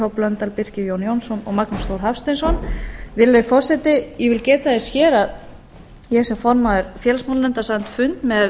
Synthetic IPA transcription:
owplœnt̪alpɪr̥cɪjownjownsɔnɔɣmaknʏst̪owɾ̥ɦafst̪ɪnsɔnvɪɾlœfɔr̥sɛt̪ɪjɛvɪlcɛːt̪aðɪsçɛːɾað | jɛɛsɛmfɔɾmaðʏɾfjɛlsmawllɛnt̪asant̪fʏnt̪mɛð

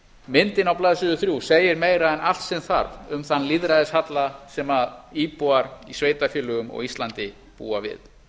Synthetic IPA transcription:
mɪnt̪ɪnawplaːðsʏʏθɾjuseːjɪɾmeːjɾaðɛnal̥t̪sɛmθa̰ɾvʏmθanːliðɾaðɪshat̪lasɛmaðiːpuaɾisveːjt̪afjɪːlʏɣʏmɔ̰ɣist̪lant̪ɪ | pṵːavɪ̰ð

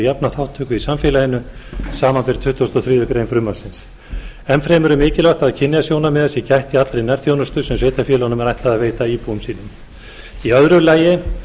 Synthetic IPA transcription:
japnaθawht̪ʰːœːkʏisamfɛːlajɪnʏsaːmanpɪɾ̥t̪ʰʏht̪ɔst̪ɔθɾiːðʏkɾejnfɾʏmːaɾsɪns | ɛmfɾɛːmɛɾʏmɪːcɪlaht̪aðcʰɪnːɪasjoːwnamɛðasjɛcajht̪iat̪lɾejnɛɾ̥θjownʏst̪ʏsɛmsveːjt̪afjɛːlɔnʏmɛɾajht̪laðaveːjt̪aiːpuʏmsiːnʏm | iœðɾʏlaːjɪ

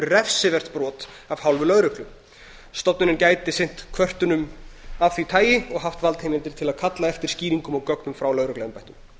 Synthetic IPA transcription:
rɛfsɪvɛr̥t̪pɾɔːt̪ | av̥hawlvʏlœðɾʏklʏm | st̪ɔpnʏnɪncaːjt̪ɪsɪn̥t̪kʰvœr̥t̪ʏnʏmavθit̪ʰaːjɪɔɣɦaft̪valt̪hejmɪnt̪ɪɾ̥t̪ʰɪlaðkʰat̪laɛft̪ɪɾ̥sciːɾiŋkʏmɔɣkœknʏmfɾawlœðɾʏklɛðʏmpajht̪ʏm

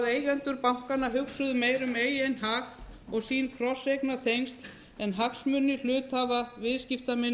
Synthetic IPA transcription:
ðeːjɣɛnt̪ʏɾpawŋ̥kanːaɦʏksʏðʏmeːjɾʏmeːjejnɦaxɔɣsiːnkʰɾɔsejknat̪ʰejŋst̪ | ɛnɦaksmʏnːɪl̥ʏːt̪havavɪðscɪft̪amɪn

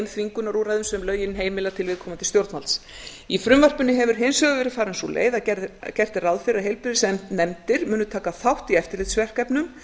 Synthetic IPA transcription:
mθviŋkʏnaɾuɾajðʏmsɛmlœɥjɪnɦeːjmɪlat̪ʰɪlvɪðkʰɔːmant̪ʰɪlst̪jowɾt̪mals | ifɾʏmvar̥pʏnːɪɦɛvʏɾ̥ɦejnsœɣʏvɛɾɪ̥faːɾɪnsulʔḛːjðaɛcɛr̥t̪ɪrawðfɪɾaɦejlpʏðɪsɛmnɛmt̪ɪɾ̥mʏːnʏt̪ʰaːkaθawht̪iɛft̪ɪɾlɪjt̪svɛr̥kajpnʏm

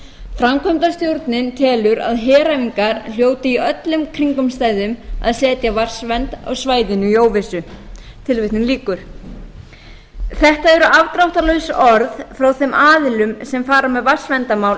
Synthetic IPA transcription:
fɾamkʰɔmt̪ast̪jowɾt̪nɪnt̪ʰɛːlʏɾa̰ðɦɛːɾaviŋkaɾl̥joːwt̪ɪiœt̪lʏmkʰɾiŋkʏmst̪aːjðʏma̰ðsɛːt̪javar̥svɛnt̪a̰ɣsvaːjðɪnʏijoːwvɪsʏ | t̪ʰɪlvɪht̪nʏnliːkʏɾ̥ | θɛht̪aɛɾʏʔavt̪ɾawht̪alœɥsɔɾðfɾawθɛmʔaːðɪlʏmsɛmfaːɾamɛðvar̥svɛnt̪amaːwl

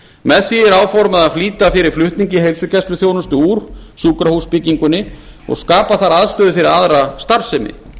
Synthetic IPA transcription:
mɛðsiɛɾaːwfɔɾmaðafliːt̪afɪɾɪɾ̥flʏht̪niɲcɪɦejlsʏcɛst̪lʏθjoːwnʏst̪ʏuːɾ̥suːkɾahuspɪciŋkʏnːɪ | ɔ̰ɣskaːpaθaɾaðst̪œːðʏfɪɾɪɾaðɾast̪aɾ̥sɛmɪ̰

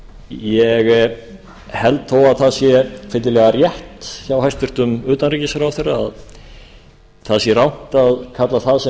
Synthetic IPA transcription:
jɛɣ | hɛlt̪θowaðθaðsjɛfɪt̪lɪlɛɣarjɛht̪sjawhajst̪vʏɾ̥t̪ʏmʏːt̪anricɪsaɾawθɛjrːaa̰ð | θaðsjɛrawn̥t̪aðkʰat̪laθaðsɛ

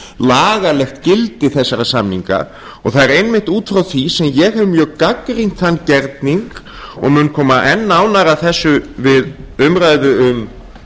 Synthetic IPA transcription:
laːɣalɛxt̪cɪlt̪ɪθɛsːaɾasamniŋka̰ | ɔɣθaðɛɾejnmɪht̪uːt̪fɾawθvisɛmjɛɣɦɛvʏmjœːɣkakɾiŋ̥t̪θanːcɛɾt̪niŋk | ɔ̰ɣmʏnkʰɔːmaʔɛnːaːwnaɾaθɛsːʏvɪðʏmɾaːjðʏʏm

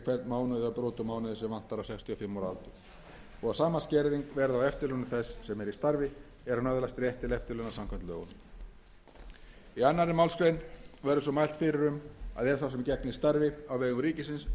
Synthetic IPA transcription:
kʰvɛɾt̪maːwnʏðɪapɾoːt̪ʏmaːwnʏðɪsɛmvan̥t̪aɾawsɛkst̪ʰiɔfɪmːawɾa̰lt̪ʏ | ɔɣawsaːmascɛɾðiŋkvɛɾðawɛft̪ɪɾlʏnʏθɛsːɛmɛɾist̪aɾvɪ | ɛɾanaðʏlast̪ɾjɛht̪ɪlɛft̪ɪɾlœwnasamkʰant̪lœ̰ːɣɔ̰n | ianːaɾɪmawlskɾejnvɛɾʏsɔmajl̥t̪fɪɾɪɾʏma̰ðɛɾθasɛmcɛknɪist̪aɾvɪawvɛːɣʏmɾiːcɪsɪns

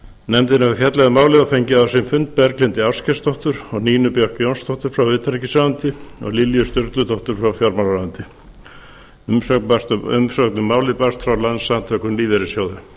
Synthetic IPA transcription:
nɛmt̪ɪnavfjɛt̪lɛɣamaːwlɪðafejɲcɪaasɪmfʏnt̪̚pɛɾklɪnt̪ɪawscɛst̪ʰɔht̪ʏɾ̥ɔɣniːnʏpjœhkjownst̪ʰɔht̪ʏɾ̥fɾawvɪːt̪ʰɾcɪsaːwant̪ɪɔ̰ɣliljʏst̪ʏɾt̪lʏt̪ʰɔht̪ʏɾ̥fɾawfjɔɾmalaant̪ɪ | ʏmœaʏ̰msœk̪nʏmːaːwlɪpast̪fɾawlansːamt̪ʰœhkʏnliːðɛɾɪsjoːwðʏ

